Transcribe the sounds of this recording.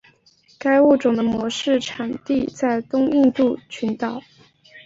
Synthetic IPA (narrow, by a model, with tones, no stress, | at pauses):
ka˥ɪu˥˩ʈ͡ʂʊ˨˩ŋd̪ə˦mwɔ˧˥ʂɻ̩˥˩ʈ͡ʂʰa˨˩nt̪i˥˧t͡sa˥˩ɪt̪ʊ˥ŋi˥˧nt̪u˥˩t͡ɕʰy˧˥nt̪ɑ˨˩˦ʊ